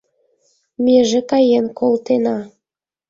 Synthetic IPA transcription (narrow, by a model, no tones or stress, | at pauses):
meʒekɑjenkʰolt̪enɑ